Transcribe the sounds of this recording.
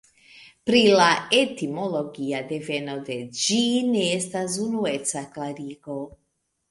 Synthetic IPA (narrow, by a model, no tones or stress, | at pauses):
pɾilaet̪imoloɡijad̪evenod̪ɛd͡ʒinest̪azunuet̪saklaɾiko